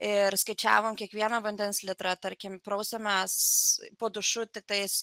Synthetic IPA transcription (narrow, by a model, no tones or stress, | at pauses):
ɪɾskɐɪt͡ʃʲæ̰ːʋoːmkʲiɛkʋʲiɛnɐʋɐnʲd̪ʲɛnslʲɪt̪ɾɐt̪ɐɾʲkʲɪmpɾɐʊsʲɛmʲɛspoːd̪ʊʃʊt̪ʲɪk̚t̪ɐɪs